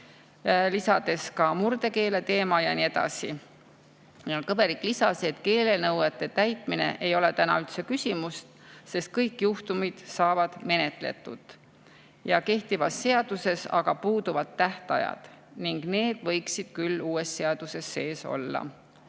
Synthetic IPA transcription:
lisɑd̪̥e̞skɑmuɾd̪e̞ke̞ːle̞t̪e̞ːmɑjɑnie̞d̪ɑ̰si | meolkɤbe̞ɾikːlisɑse̞t̪ke̞ːle̞nɤwet̪ˑːe̞t̪æjt̪ˑmine̞̰ʔe̞jo̞le̞t̪ænɑ̰ylt̪se̞kysʲimust̪ | se̞st̪̚kɤjkːjuht̪umid̪̥sɑːvɑd̪̥me̞ne̞t̪ˑle̞̰t̪ːˑṵd̪̥ | jɑke̞ht̪ivɑsːe̞ɑd̪̥use̞sɑɡ̥ɑpuːd̪uvɑt̪ːæht̪ɑjɑ̰d̪̥niŋɡ̥ne̞ːd̪̥vɤ̞jksid̪̥̚kylːuːe̞sːe̞ɑd̪̥use̞sːe̞ːso̞̰lːɑ̰

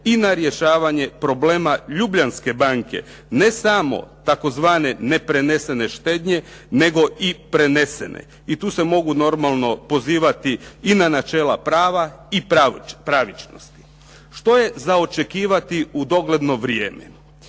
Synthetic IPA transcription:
inaɾje̞ʃaːʋaɲe̞pɾo̞ble̞ːmaʎubʎanske̞baŋke̞̰ | ne̞samo̞̰t̪ako̞zʋaːne̞ne̞pɾe̞ne̞se̞ne̞ʃt̪e̞ːd̪ɲe̞ne̞ɡo̞ʔipɾe̞ne̞se̞̰nḛ | it̪uːse̞mo̞ɡuno̞ɾmalˠno̞po̞ziːʋat̪iːnanat͡ʃeːlapɾaːʋaipɾaʋit͡ʃno̰st̪i̥ | ʃt̪o̞je̞zaot͡ʃe̞kiːʋat̪iud̪o̞ɡle̞d̪no̞ʋɾjḛːmḛ

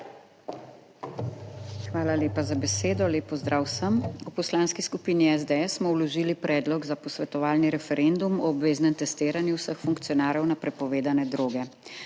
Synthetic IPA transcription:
xʋaːlaleːpazabɛseːd̪ɔleːpɔzd̪ɾʔaːwsəmupɔslaːnskiskupiːniɛzd̪eɛsːmɔwlɔʒiːlipɾʔɛːd̪lɔɡzapɔsʋɛt̪ɔʋaːlniɾɛfɛɾend̪umɔːbʋeːznɛmt̪ɛst̪eːɾanjuwsəxfuŋkt̪sijɔnaːɾjɔwnapɾɛpɔʋeːd̪anɛd̪ɾoːɡɛ

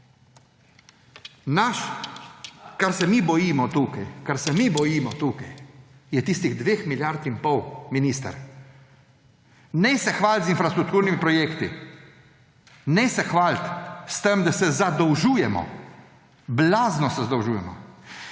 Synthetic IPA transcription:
naʃ | kaɾsɛmibɔjimɔt̪uːkajkaɾsɛmibɔjiːmɔt̪uːkajjɛt̪iːst̪iɣd̪ʋeːxmilʲjaɾt̪impɔwminist̪a̰ɾ | nɛsɛxʋaːlt̪zinfɾast̪ɾuk̚t̪uːɾnimipɾɔjeːkt̪i | nɛsɛxʋaːlt̪st̪əmd̪asɛzad̪ɔwʒuːjɛmɔ̰ | blaːznɔsɛzad̪ɔwʒuːjɛmɔ̰

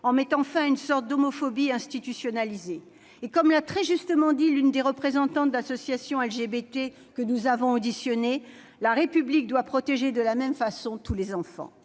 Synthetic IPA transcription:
ɑ̃mɛt̪ɑ̃fɛ̃ynsɔʁt̪̚d̪omɔfɔbiɛ̃st̪it̪ysjɔnalizeː | kɔmlat̪χɛʒyst̪əmɑ̃d̪ilynd̪eʁəpχezɑ̃t̪ɑ̃t̪asɔsjasjɔ̃ɛlʒebet̪e | kənuzavɔ̃od̪isjɔne | laʁepyblik̚d̪wapχɔt̪eʒed̪əlamɛmfasɔ̃t̪ʰulezɑ̃fɑ̰̃

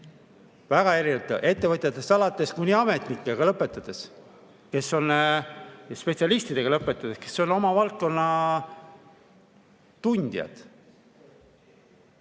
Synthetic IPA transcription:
væɡ̥ɑe̞ɾinet̪ːo̰ʔe̞t̪ːe̞vɤt̪ʲjɑt̪ːˑest̪ɑlɑt̪ːˑe̞skujnʲiɑme̞t̪nikːˑe̞ɡ̥ɑlɤpːˑe̞t̪ːˑɑd̪̥e̞s | ke̞so̞n | jɑspe̞tsiɑlist̪id̪e̞ɡ̥ɑlɤpːˑe̞t̪ːˑɑd̪̥e̞ske̞̥so̞no̞mɑvɑlt̪̚ko̞nːɑ | t̪unʲd̪̥jɑ̰d̪̥

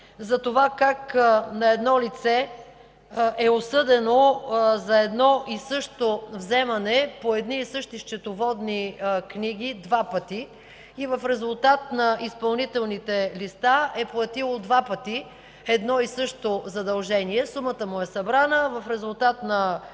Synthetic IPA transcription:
zɐt̪ovakaknɐɛd̪nɔlit̪sɛ | ɛosɤd̪ɛnozɐɛd̪nɔʔisɤʃt̪ovzɛmɐnɛpoɛd̪niːsɤʃt̪iʃt͡ʃɛt̪ovɔd̪nikniɡ̟id̪vapət̪i | ivɐfɾɛzulˠt̪at̪̚nɐʔispɐlˠnit̪ɛlˠnit̪ɛlist̪aɛplˠɐt̪ilˠod̪vapət̪i | ɛd̪nɔisɤʃt̪ozɐd̪ɐlˠʒɛniɛsumət̪əmʊɛsɐbɾanəvɐfɾɛzulˠt̪at̪nɐ

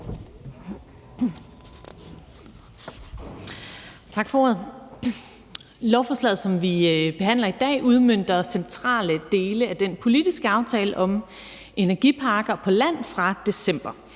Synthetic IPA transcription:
t͡sʰɑ̈ɡ̥fɒoɐð̩ˠ | lɒʊfɒːslɛ̰ð̩ˠsɒ̽mʋib̥e̝ɦæn̰lɐid̥ɛ̰ːʔuð̞ˠmøn̰d̥ɐsent͡sʰʁɑ̰̈ːləd̥e̝ːləæd̥enpʰo̝lid̥isɡ̥əɑ̈ʊt͡sʰɛːləʔɒ̽m | ʔe̝næɐɡ̥ipʰɑ̈ːɡ̥ɐpʰɒ̽læn̰fʁɑ̈d̥e̝sem̰b̥ɐ

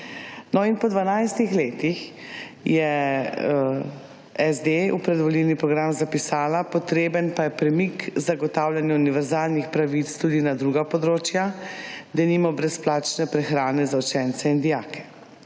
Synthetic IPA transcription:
nɔinpɔd̪ʋanajst̪ixleːt̪ixjɛ | ɛzd̪eupɾɛd̪ʋɔlilnipɾɔɡɾamzapisaːlapɔt̪ɾeːbənpajɛpɾɛmikzaɡɔt̪aːwlʲjanjauniʋɛɾzaːlnixpɾaʋit̪st̪uːd̪inad̪ɾuːɡapɔd̪ɾoːt͡ʃjad̪aniːmɔbɾɛsplaːt͡ʃnɛpɾɛxɾaːnɛzawt͡ʃɛnt̪sɛind̪ijakɛ̥

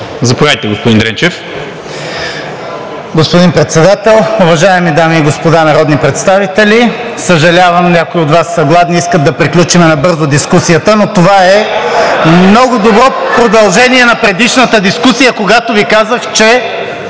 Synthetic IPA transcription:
zɐpovajt̪ɛɡospod̪ind̪ɾɛnt͡ʃɛf | ɡospod̪inpɾɛt̪sɛd̪at̪ɛlˠʊvɐʒaɛmid̪amiːɡospod̪anɐɾɔd̪nipɾɛt̪st̪avit̪ɛlʲi | səʒɐlʲavəmnʲakoiod̪vasːəɡlˠad̪niiskət̪̚d̪ɐpɾiklʲut͡ʃimɛnɐbɤɾzʊd̪iskusijət̪ənot̪ovaɛ | mnɔɡʊd̪obɾɔpɾod̪ɐlˠʒɛniɛnɐpɾɛd̪iʃnət̪əd̪iskusijəkoɡat̪ovikazəxt͡ʃɛ

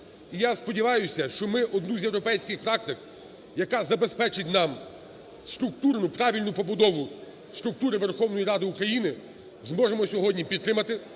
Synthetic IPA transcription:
ijaspɔdʲiʋɑjʊsʲɐʃt͡ʃɔmɪʔɔd̪nuzʲjewɾɔpɛjsʲkɪxpɾɑk̚t̪ɪk | jɐkɑzɐbespɛt͡ʃɪtʲnɑm | st̪ɾʊk̚t̪urnʊpɾɑʋʲilʲnʊpɔbʊd̪ɔʋʊ | st̪ɾʊk̚t̪uɾɪʋerxɔwnɔjiɾɑd̪ɪukɾɐjinɪ | zmɔʒemɔsʲɔɦɔdʲnʲipʲid̪tːɾɪmɐt̪ɪ

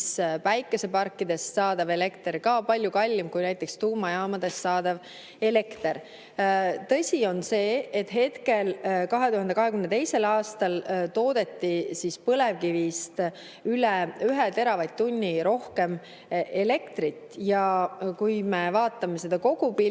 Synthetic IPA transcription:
spæjkːˑe̞se̞pɑrkːid̪̥e̞sːɑːd̪̥ɑve̞le̞kt̪eɾkɑːpɑlʲjukɑlʲːimkujnæjt̪ːˑe̞kst̪uːmɑjɑːmɑd̪̥e̞sːɑːd̪̥ɑv | e̞le̞kt̪eɾ | t̪ɤ̞sʲio̞nse̞ːet̪ɦe̞t̪ke̞lkɑɦe̞t̪uhɑnd̪e̞kɑɦekymnt̪e̞jse̞lɑːst̪ɑlt̪o̞ːd̪̥e̞t̪ːisispɤle̞vkivist̪ | ylɛyɦet̪e̞ɾɑvɑjd̪t̪ːunʲːiɾo̞hke̞m | e̞le̞kt̪rit̪ˑjɑkujmevɑːt̪ːˑɑme̞se̞d̪ɑko̞ɡ̥upi

